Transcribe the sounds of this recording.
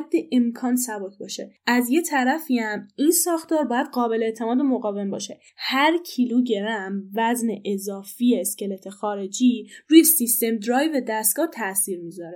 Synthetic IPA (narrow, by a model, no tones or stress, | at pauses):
d̪ːeʔemkʰɒːnsæbɒcʰbɒːʃe̞̰æzje̞t̪ʰæɾæfiæminsɒːxt̪ʰɒːɾbɒːjæd̪ɢɒːbe̞leet̪ʰe̞mɒːd̪emoɣɒːve̞mbɒ̰ːʃe̞ | hæɾcʰiluɟe̞ɾæmvæzneʔezɒːfijeːscʲe̞let̪ʰexɒːɾe̞d͡ʒiːɾuːjesist̪e̞md̪ɾɒːjved̪æst̪̚ɡ̥ɒːt̪ʰæsiːɾmiːzɒːɾe